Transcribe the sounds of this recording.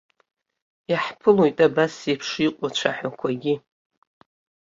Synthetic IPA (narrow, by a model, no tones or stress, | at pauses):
jaħpʰɨlojtʼabasepʰʂiqʷʼat͡ʃʷʰaħakʷʰaɡʲɪ